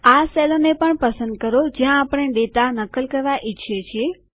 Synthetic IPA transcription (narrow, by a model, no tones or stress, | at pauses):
aselonepəɳpəsənd̪̚kəɾod͡ʒjãːpəɳ̃eɖet̪anəkəlkəɾʋaʔɪʃʰet͡ʃʰie